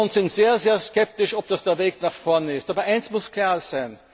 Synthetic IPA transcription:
ʊntsɪntz̥eːɐzeːɐskɛp̚tɪʃɔp̚d̥asd̥eːɐveːknaχfɔɐnɪstaːbɐʔaɪnsmʊskʰl̥aːɐz̥æɪn

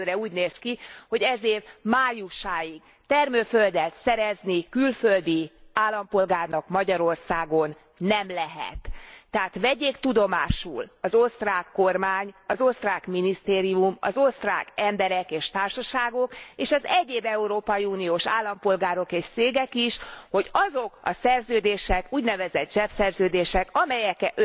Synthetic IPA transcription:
øːɾɛuːɟneːskiho̞ɟɛzeːrmaːjuʃaːjiɡ | t̪ɛrmøːføld̪ɛlt̪sɛɾɛznikylføld̪iaːlːɒmpo̞lɡaːrnɒkmɒɟɒɾo̞rsaːɡo̞nː | ɛmlɛɦɛ̰t̪ːɛaːt̪ʋɛɟeːkt̪ud̪o̞ma̰ːʃṵlɒzost̪raːkːo̞rmaːɲɒzo̞st̪raːkminist̪eːɾiumɒ̰zost̪ra̰ːkɛmbɛɾɛkeːʃt̪aːrʃɒʃaːɡo̞keːʃɒzɛɟeːbɛuɾoːpɒjiuːnijoːʃaːlːɒmpo̞lɡaːɾo̞keːʃseːɡɛkiʃho̞ɟɒzo̞kɒ̰sɛrzøːd̪eːʃɛkuːɟnɛvɛzɛd̪̚ʒɛpsɛrzøːd̪eːʃɛkɒmɛjɛkɛʔø

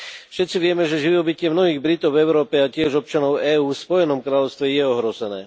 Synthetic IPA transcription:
fʃɛt̪̚t͡siʋɪɛmɛʒɛʒiɔbicɪɛmnɔɦiːɣbɾit̪ɔʊvɛʊɾɔːpɛacɪɛʒɔp̚t͡ʃanɔʊɛːuːfspɔjɛnɔmkɾaːlɔʊst̪ʋɛjɛɔɦɾɔzɛnɛ̰ː

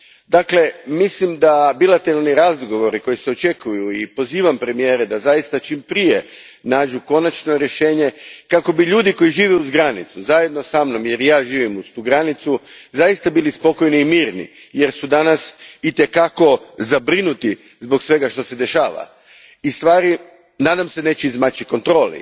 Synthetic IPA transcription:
d̪akle̞mislimd̪abilat̪eɾalˠniɾazɡo̞ʋo̞ɾiko̞jiseo̞t͡ʃe̞kujuipo̞ziːʋampɾe̞mijeːɾed̪azajist̪at͡ʃiːmpɾije | naːd͡ʒuko̞nat͡ʃno̞ɾje̞ʃe̞ːɲe̞kako̞biʎuːd̪iko̞jiʒiːʋeuzɡɾanit̪suzaje̞d̪no̞samno̞mje̞ɾjaːʒiːʋimust̪uɡɾanit̪suzajist̪abilispo̞ko̞jniːmiːɾnḭje̞ɾsud̪anasit̪e̞kako̞zabɾinut̪i | zbo̞ksʋe̞ɡaʃt̪o̞se̞d̪e̞ʃaːʋa̰ | ist̪ʋaːɾi | naːd̪amse̞ne̞ːt͡ɕeizmat͡ɕiko̞nt̪ɾo̞ːlḭ

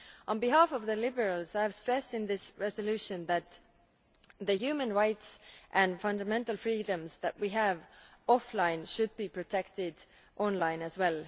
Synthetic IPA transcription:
ʔə̃nbiɦafʌvðəlɪbə˞əlzajæv̥stɹ̥ɛstɪ̃nðɪsɹɛzolʉʃə̃nðæt̪ | ðəhjʉːmə̃nɹaɪtsʔæ̃nfʌ̃ndəmɛ̃ntəlˠfɹiːdə̃mzðæt̚wiɦævɔflãɪ̃nʃʊd̚bipʰɹ̥otʰɛktɪd | ʔɔ̃nlãɪ̃nɨzwɛlˠ

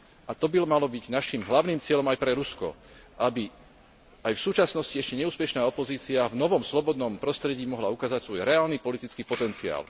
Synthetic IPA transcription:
ʔat̪ɔbilɔmalɔbiɟnaʃimɦlaʊniːmt͡sɪɛʎɔmajpɾɛɾuskɔ̰ | ʔabi | ʔajfsuːt͡ʃasnɔsciɛʃcɛɲɛuːspɛʃnaːɔpɔziːt͡siavnɔʋɔmslɔbɔd̪nɔmpɾɔst̪ɾɛɟiːmɔɦlaukaːzacsʋɔjɾɛaːlniːpɔlit̪it͡skiːpɔt̪ɛnt͡sia̰ːl

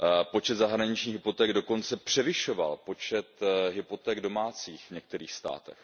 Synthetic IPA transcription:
po̞t͡ʃɛd̪zaɦɾaɲɪt͡ʃɲiːɣɦɪpo̞t̪ɛːɡdo̞ko̞nt͡sɛpr̝̥ɛvɪʃo̞va̰lpo̞t͡ʃɛt̪ɦɪpo̞t̪ɛːɡdo̞maːt͡siːxvɲɛk̚t̪ɛɾiːxst̪a̰ːt̪ɛ̰x

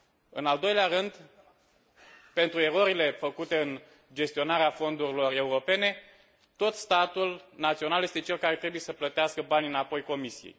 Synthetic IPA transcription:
ɨnald̪o̞jleaɾɨnd̪ | pe̞nt̪ɾue̞ɾo̞ɾile̞fəkut̪e̞ɨn | d͡ʒe̞st̪io̞naɾeafo̞nd̪uɾilo̞re̞uɾo̞pe̞ne̞ | t̪o̞t̪st̪at̪ulnat̪sio̞nalje̞st̪e̞t͡ʃe̞lkaɾe̞t̪ɾe̞buje̞səplət̪easkəbanʲɨnapo̞jko̞misijḛj

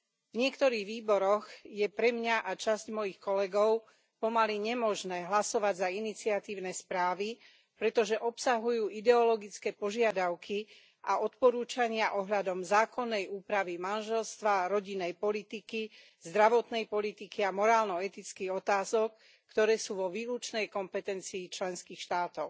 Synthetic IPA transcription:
vɲɪɛkt̪ɔɾiːɣʋiːbɔɾɔɣjɛpɾɛmɲaʔat͡ʃazcmɔjixkɔlɛɡɔʊ | pɔmaliɲɛmɔʒnɛːɦlasɔʋaɟzainit͡siat̪iːʊnɛspɾaːʋi | pɾɛt̪ɔʒɛʔɔpsaɦujuːid̪ɛɔlɔɡit͡skɛːpɔʒɪad̪aʊkʰi | ʔaɔt̪pɔɾuːt͡ʃaɲɪaʔɔɦʎad̪ɔmzaːkɔnːɛjuːpɾaʋimanʒɛlst̪ʋaɾɔɟinːɛjpɔlit̪iki | zd̪ɾaʋɔt̪nɛjpɔlit̪ikiamɔɾaːlnɔɛt̪it͡skiɣɔt̪aːzɔk̚ː | t̪ɔɾɛːsuːʋɔʋiːlut͡ʃnɛjkɔmpɛt̪ɛnt͡siːt͡ʃlɛnskiːxʃt̪aːt̪ɔʊ

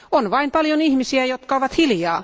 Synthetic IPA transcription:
onʋɑimpɑljonihmisiæjot̪kɑoʋɑt̪hiljɑː

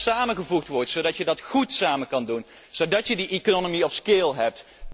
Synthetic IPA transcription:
saːməχəvuχtʋɔɹtsodɑtjədɑtχutsaːməkɑndun | z̥odɑtjədiʔikonomiɔfskɪːlˠɦɛp̚t

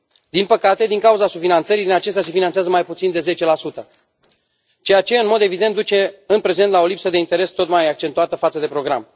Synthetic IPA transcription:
d̪inpəkat̪e̞d̪iŋkauzasufinant̪səɾid̪inat͡ʃe̞s̬t̪ʲas̬e̞finanseazəmajput̪sind̪e̞ze̞t͡ʃe̞lasut̪ə | t͡ʃe̞jat͡ʃe̞ɨnmo̞d̪e̞vid̪e̞nt̪d̪ut͡ʃe̞ɨnpɾe̞ze̞nt̪lao̞lipsəd̪e̞int̪e̞ɾe̞st̪o̞t̪majak̚t͡ʃe̞nt̪uat̪əfat̪səd̪epɾo̞ɡɾa̰m

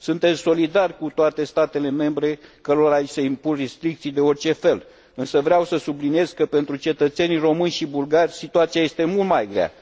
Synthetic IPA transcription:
sunt̪e̞t̪sso̞lid̪arʲkut̪oat̪e̞st̪at̪e̞le̞me̞mbɾe̞kəɾoɾajseimpunrest̪ɾik̚t̪sijd̪e̞o̞rt͡ʃe̞fe̞l | ɨnsəvɾeawsəsublinije̞zkəpe̞nt̪ɾut͡ʃe̞t̪ət̪se̞niro̞mɨnʲʃibulɡarʲsit̪uat̪sijaje̞st̪e̞mult̪majɡɾea̰

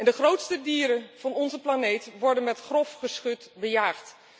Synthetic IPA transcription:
ɛndəχrowtstədiːɾənv̥ɑnɔnzəplanejtʋɔɹdənmɛtχrɔfχəsχɵtbəjaːχt

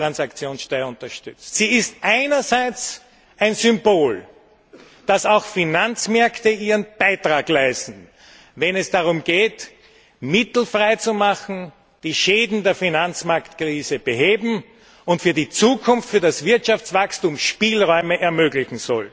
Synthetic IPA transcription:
ʁansakt͡sjoːnsʃtœɪʊ̃ntɐʃtʏt͡stsiːɪstʔaɪnɐzæɪt͡s | ʔæɪnzʏmboːl | d̥asɑʊxfinant͡smɛɐktəiːʁənb̥aɪtʁaːɡlæɪstn̩ | vɛnɛsd̥aʁʊmɡ̥eːt | mɪtl̩fʁaɪt͡sumaxn̩ | d̥iːʃeːdn̩deːɐfinant͡smaɐktkʁiːzəb̥əɦeːbm̩ | ʊntfyːɐdit͡suːkʰʊnftfyːɐdasv̥ɪɐtʃaft͡svakstuːmʃpiːlʁɔʏməʔɛɐmøːɡlɪçŋ̩zɔ̰l

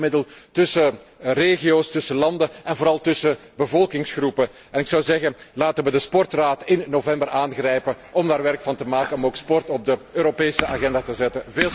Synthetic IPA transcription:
mɪdəlˠtɵsəreːɣijoːstɵsəlɑndəɛnvoːɾɑlˠtɵsəbəvɔlˠkɪŋsxrupə | ɛnɪksɑwzɛɣənlaːtənʋədəspɔrtraːtɪnːovɛmbərʔaːnɣrɛjpəʔɔmdaːrʋɛrkfɑntəmaːkənɔmoːkspɔrtɔb̚dəøːɾopeːsəʔaɣɛndaːtəzɛtəveː

